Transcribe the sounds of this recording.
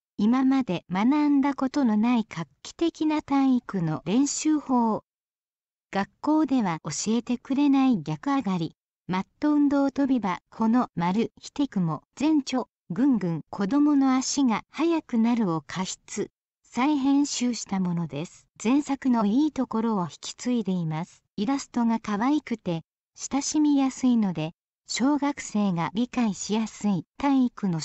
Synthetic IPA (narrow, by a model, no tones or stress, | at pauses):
imamad̪e̞manãnd̪ako̞t̪o̞no̞naikʰakʲːi̥t̪e̞kʲinat̪ãɰ̃ikɯ̟no̞ɾẽ̞ɰ̃ɕɨːho̞ː | ɡ̥akːo̞ːd̪e̞β̞ao̞ɕie̞t̪e̞kɯ̟ɾe̞naiɡʲakɯ̟aɡaɾʲi | mat̪ːo̞ɯ̟̃nd̪o̞ːt̪o̞bʲibakʰo̞no̞maɾɯ̟çi̥t̪e̞kɯ̟mo̞d͡zẽ̞ɲt͡ɕo̞ | ɡɯ̟̃ŋɡɯ̟̃ŋkʰo̞d̪o̞mo̞no̞aɕiɡahajakɯ̟naɾɯ̟o̞kʰaɕi̥t͡sɨ | saiɦẽ̞ɰ̃ɕɨːɕi̥t̪amo̞no̞d̪e̞sɨ̥d͡zẽ̞ɰ̃sakɯ̟no̞iːt̪o̞ko̞ɾo̞ːçi̥kʲi̥t͡sɨid̪e̞imasɨ̥iɾasɨ̥t̪o̞ɡakaβaikɯ̟t̪e̞ | ɕi̥t̪aɕimʲijasɨino̞d̪e̞ | ɕo̞ːɡakɯ̟̥se̞ːɡaɾʲikaiɕijasɨit̪ãikɯ̟no